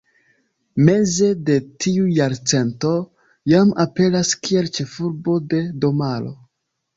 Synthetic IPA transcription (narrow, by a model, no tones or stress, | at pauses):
me̞ze̞de̞tʰiujaɾt͡se̞nto̞ | jamape̞laskie̞lt͡ʃe̞fuɾbo̞de̞do̞malo̞̰